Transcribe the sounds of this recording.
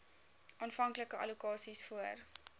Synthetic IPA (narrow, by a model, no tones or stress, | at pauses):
ʔɑːnfɐŋkləkəʔɐ̰lukɑːsisfuər